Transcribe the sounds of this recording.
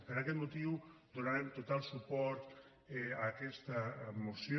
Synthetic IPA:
pəɾakɛt̪mut̪iwd̪unaɾemt̪ut̪alˠsupɔɾt̪ | ɛakɛst̪amusj

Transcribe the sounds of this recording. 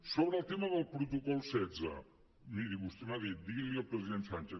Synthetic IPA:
soβɾəlˠt̪eməðəlˠpɾut̪ukɔlˠsɛdd͡zə̰ | miɾiβust̪enaðit̪d̪ieliəlˠpɾəziðent̪sant͡ʃe

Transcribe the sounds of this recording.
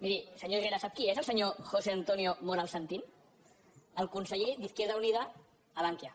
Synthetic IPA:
miɾisəɲoireɾasap̚kiezəlˠsəɲoxoseant̪oniomoɾalˠsənt̪in | əlˠkunsəʎed̪iθkeɾð̞aunið̞aː | laŋkja

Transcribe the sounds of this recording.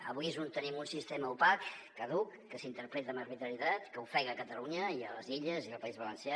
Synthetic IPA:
əβujzunt̪ənimunsist̪ɛməupakː | əðukːəsint̪əɾpɾet̪əːmərβit̪ɾəɾit̪at̪kəufɛɣəːkət̪əluɲəiələziʎəziəlˠpəizβələnsja

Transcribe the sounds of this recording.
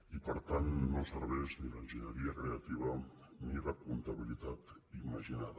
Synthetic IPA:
ipaɾt̪anːosaɾβesniɾent͡ʃinaɾiakɾe̞at̪iβa | niɾakunt̪aβilit̪at̪ | imaʃinað

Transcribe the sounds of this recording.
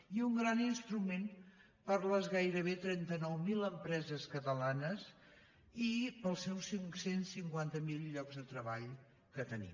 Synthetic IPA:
iuŋɡɾaninst̪ɾumen | pəɾləzɣajɾəβ̞et̪ɾɛnt̪ənɔwmiləmpɾɛzəskət̪əlanəz | ipəlˠsɛwsiŋsensiŋkwant̪əmilˠʎɔkzðət̪ɾəβaʎ | kət̪ənḭ

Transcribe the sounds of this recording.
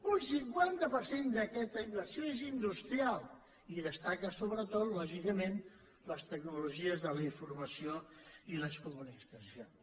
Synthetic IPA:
unsiŋkwant̪əpəɾsend̪əkɛt̪əiɱfləsioezind̪ust̪ɾialˠ | iðəst̪akəsoβɾət̪ot̪lɔʒikəmen | ləst̪əɡnuluʒiəzðələiɱfurməsioiləskumunikəsio

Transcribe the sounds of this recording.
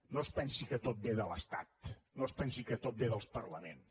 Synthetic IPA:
nospɛnsikət̪ot̪̚beðələst̪a̰t̪nospɛnsikət̪ot̪̚beðəlˠspəɾləmens

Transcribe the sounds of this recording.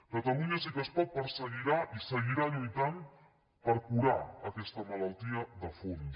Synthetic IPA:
kət̪əluɲasikəspɔt̪̚pəɾsəɣiɾaʔisəɣiɾaʎujt̪am | pəɾkuɾa̰əkɛst̪əmɐlalˠt̪iəðəfun

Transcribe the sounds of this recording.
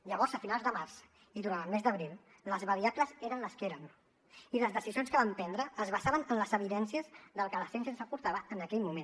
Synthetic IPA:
ʎəβɔɾzəfinalˠzd̪əmars | iðuɾant̪əlˠmezd̪əβɾilˠ | ləzβəɾiakləzeɾənləskeɾən | iləzðəsizijonskəβampɛnd̪ɾəːzβəsaβənənləzəβ̞iðɛnsiəzðəlˠkələsɛns̬ənsəpuɾt̪aβəʔənəkɛʎmumẽn

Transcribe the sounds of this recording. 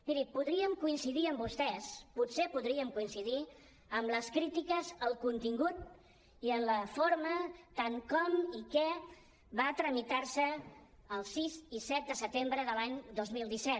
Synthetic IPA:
miɾipuðɾiəmkuinsiðiəmbust̪ɛsputsepuðɾiəmkuinsiði | əmləskɾit̪ikəzəlˠkunt̪iŋɡut̪̚ | iənləfoɾmət̪aŋkɔmikɛ | βat̪ɾəmit̪aɾsəː | lˠsizisɛt̪̚d̪əsət̪embɾəðəlaɲd̪ozmilˠd̪isɛt̪

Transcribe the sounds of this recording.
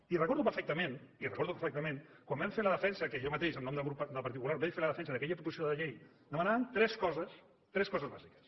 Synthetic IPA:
irəkɔɾðupəɾfɛk̚t̪əmenirəkɔɾðupəɾfɛk̚t̪əmẽnkwambaɱfeləðəfɛnsəkəʒɔmət̪eʃəmnɔmd̪əlɣɾupd̪əlˠpɐɾt̪ikulaɾbɛjfeləðəfɛnsəðəkɛʎəpɾup̪usioðəʎej | d̪əmənaβənt̪ɾɛskɔzəs | t̪ɾɛskɔzəzβaʒikə̥s

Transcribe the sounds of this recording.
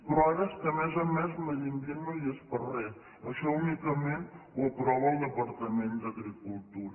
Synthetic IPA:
pɾaɾəskəmɛzəmɛzməʒinɡ̪inujəspərɛs | əʃɔunikəmenwəpɾɔβəlˠd̪əpəɾt̪əmend̪əɣɾikulˠt̪uɾ

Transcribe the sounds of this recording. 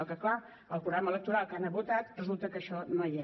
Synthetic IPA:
lˠkəkla | əlˠpɾuɣɾamələk̚t̪uɾalˠkanəβut̪at̪rəzulˠt̪əkəʃɔnoja

